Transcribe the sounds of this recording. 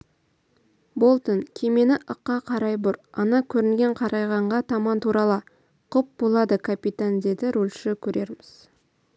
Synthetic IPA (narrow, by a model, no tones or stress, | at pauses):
bo̞lˠt̪ənkʲʰe̞me̞nɪʔəqːɑqʰɑɾɑjbʊɾɑnɑkʲʰɵɾɪŋɡʲe̞ɴqʰɑɾɑjʁɑɴʁɑt̪ʰɑmɑnt̪ʰuɾɑlˠə | qʰʊp̚bo̞lˠɑd̪əkʲʰapit̪and̪e̞d̪ɪɾulʲʃɪkʲʰɵɾe̞ɾmɪz̥